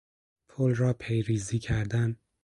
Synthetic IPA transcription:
pʰolrɒːpʰejɾiːziːcʰæɾd̪æm

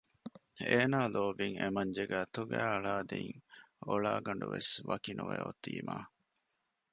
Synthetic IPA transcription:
eːnaːloːbiŋemɐɲd͡ʒeɡæːt̪uɡæːɐɭaːd̪iŋ | oɭaːɡɐɳɖuʋesʋɐkinuʋḛot̪ːḭːmaː

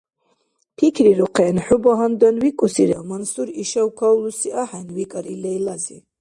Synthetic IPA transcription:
pʰikʰɾiɾuqʰɛnħubɔɦand̪ɔnwikʼusiɾawmansuɾiʃawkʰawlusiʔaħɛnwikʼaɾilɛjlazḭ

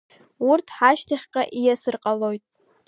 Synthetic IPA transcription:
urtʰħaʃtʰaχʲqʼaʔijasɨrqʼalojtʼ

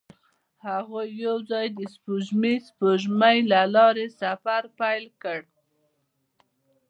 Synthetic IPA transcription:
haɣojːawzɑjd̪əspuʒmispoʒmajlalɑɾesafaɾpajlkəɽ

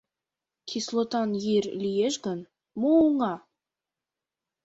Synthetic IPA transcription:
kʲʰislˠot̪ɑnjiɾʲlʲijeʒɡən | moŋɑ

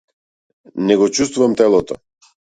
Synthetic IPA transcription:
nɛɡɔt͡ʃust̪vuvamt̪ɛlˠɔt̪ɔ̰

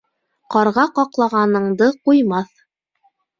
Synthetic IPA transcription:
qɑɾʁɑqɑqlˠɑʁɑnɤ̆ɴd̪ɤqujmɑθ

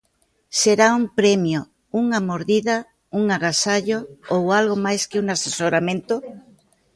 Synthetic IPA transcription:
seɾauŋmpɾɛmjo | uŋamoɾðiðɐ | uŋaɣasaʎoowalɣomajskɪuŋasesoɾamẽnt̪o

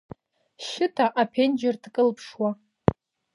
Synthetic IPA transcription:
ʃɪtʰaʔapʰend͡ʒɪrtkʼɨlpʰʂwa

